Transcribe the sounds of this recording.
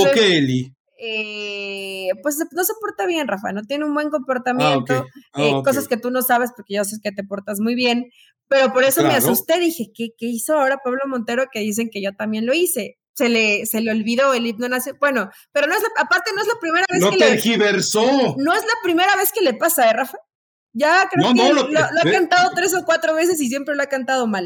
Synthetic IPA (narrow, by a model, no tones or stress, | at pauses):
okeeli | e | pwes̬no̞se̞po̞ɾt̪aβje̞nrafa̰no̞t̪je̞neumbwe̞ŋko̞mpo̞ɾt̪amjẽnt̪oeko̞s̬aske̞t̪uno̞saβ̞e̞spo̞ɾke̞ʝos̬eke̞t̪e̞po̞ɾt̪azmujβje̞n | pe̞ɾo̞po̞ɾe̞someasust̪e̞ðixe̞kekeiso̞ao̞ɾapaβlo̞mont̪e̞ɾo̞ke̞ðis̬e̞ŋkeʝo̞t̪ambje̞nlo̞ise̞ | se̞le̞se̞leo̞lβiðo̞eliβnonasjobwe̞no̞ | pe̞ɾono̞ezlaapaɾt̪e̞no̞e̞zlapɾime̞ɾaβeokeelxiβeɾsonoezlapɾime̞ɾaβe̞ske̞le̞pasaerafa | ʝakɾeonooloakant̪að̞o̞t̪ɾe̞s̬o̞kwat̪ɾo̞βe̞s̬e̞s̬is̬je̞mpɾe̞loakant̪aðo̞mal